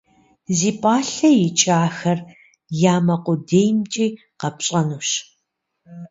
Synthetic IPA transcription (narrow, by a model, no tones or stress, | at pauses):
ziːpʼaːɬɐjɪt͡ʃʼaːxɐr | jaːmɐqʷʊdeːjmt͡ʃʼiː | qɐpɕʼɐnuːɕ